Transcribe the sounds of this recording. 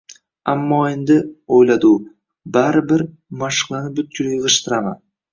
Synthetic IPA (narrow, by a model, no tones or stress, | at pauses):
ɑmːɑend̪ɪojlˠɑd̪uː | baɾɪbɪɾ | mɑʃqlˠɑnɯp̚byt̪̚kʲylijʁɯʃt̪ɯɾɑma̰